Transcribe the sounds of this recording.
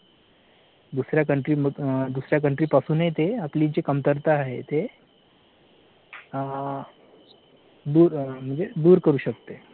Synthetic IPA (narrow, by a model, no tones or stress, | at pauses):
d̪usɾjakəɳʈɾiːməɡd̪usɾjak̬əɳʈɾiːpasuːnɦet̪eapliːd͡ʑekəmt̪əɾt̪aːɦet̪e | d̪uːɾm̤əɳd͡zed̪uːɾkəɾuːɕəkt̪e